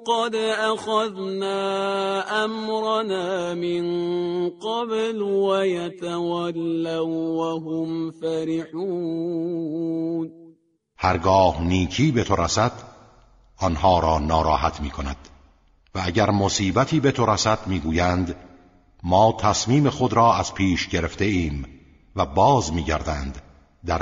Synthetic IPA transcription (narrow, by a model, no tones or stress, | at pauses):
qɑd̪ʔaxaðnaːʔamɾˤɑnaːmɪnqɑblwajat̪awalːawwaɦʊmfaɾɪħuː | n | hæɾɡɒːhniːkʰiːbe̞t̪ʰo̞ɾæsæd̪̥ | ɒnhɒːɾɒːnɒːɾɒːɦæt̪ʰmiːkʰonæd̪̥ | vææɟæɾmo̞siːbæt̪ʰiːbe̞t̪ʰo̞ɾæsæd̪̥miːɡuːjænd̪ | mɒːt̪ʰæsmiːme̞xo̞d̪ɾɒːæz̥pʰiːʃɟe̞ɾe̞ft̪e̞iːm | væbɒːzmiːɟæɾd̪ænd̪ | d̪æɾ